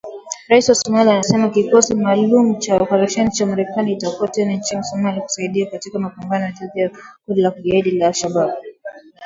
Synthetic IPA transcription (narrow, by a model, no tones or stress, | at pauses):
ɾaisiwasɔmalianasɛmakikɔsimaːlumut͡ʃaɔpaɾaʃɛnit͡ʃamaɾɛkaniitakuatɛnaɲt͡ʃinisɔmaliku̥saiɗiakatikamapambanɔjataðiakundilakuʄaiɗilalʃaɓab